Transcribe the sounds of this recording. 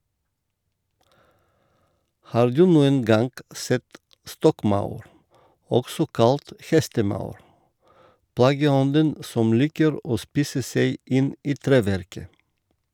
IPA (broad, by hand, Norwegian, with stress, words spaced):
ˈhɑːɾ ˈdʉː ˈnuːən ˈɡɑŋɡ ˈsɛt ˈstɔkˌmɑʉɾ ˈɔksɔ ˈkɑlt ˈhɛstəˌmɑʉɾ ˈplɑːɡəˌɔndən ˈsɔm ˈliːkəɾ ˈoː ˈspiːsə ˈseɪ ˈɪn ˈiː ˈtɾeːʋæɾkə